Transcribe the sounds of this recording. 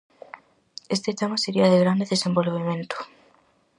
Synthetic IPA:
est̪et̪amaseɾiaðeɣɾand̪eðesẽmbolβemẽnt̪o̥

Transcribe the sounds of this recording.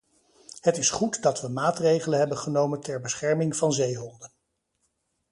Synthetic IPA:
ɦətɪsχutdɑtʋəmaːtrejχələnɦɛbənχənowməntɛɹbəsχɛɹmɪŋvɑnzejɦɔndən

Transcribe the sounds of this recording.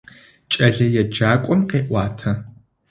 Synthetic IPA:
t͡ʃʼɐɮɐjɛd͡ʒaːkʷʼɔmqeːʔʷɑːtʰɐ

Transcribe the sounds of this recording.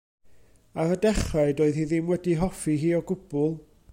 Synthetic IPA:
aɾədɛχaɨdoːɨðhiðɪmwɛdiɦɔfiɦiːɔɡʊb̥ʊlˠ

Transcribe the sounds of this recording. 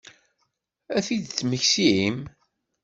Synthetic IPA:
æθid̪̚t͡sːməçsiim

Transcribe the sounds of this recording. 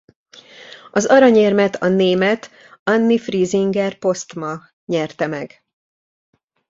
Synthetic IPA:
ɒzɒɾɒɲeːrmɛt̪ɒneːmɛt̪ | ɒnːifriːziŋɡɛrpo̞st̪mɒ | ɲɛrt̪ɛmɛɡ

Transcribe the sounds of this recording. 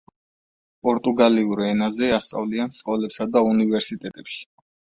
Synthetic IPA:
pʼɔɾt̪ʼuɡaliuɾɛnazɛast̪sʼa̰vliansqʼɔlɛpsad̪aunivɛɾsit̪ʼɛt̪ʼɛpʃi̥

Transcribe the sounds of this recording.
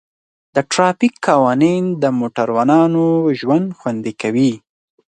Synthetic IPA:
d̪̥əʈɾɑpikːɑwɑnind̪əmoʈaɾwanɑnoʒwand̪xwand̪ikawi

